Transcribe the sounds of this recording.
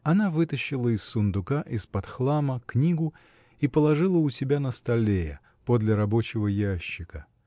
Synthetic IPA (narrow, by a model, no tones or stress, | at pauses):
ɐnavɨt̪əɕːɪlˠəɪsːʊnd̪ʊkaʔɪspɐt̪xlˠaməknʲiɡʊ | ipəlˠɐʐɨlˠəʊsʲɪbʲanəst̪ɐlʲejə̰ | pod̪lʲɪɾɐbo̞t͡ɕɪvəjaɕːɪkə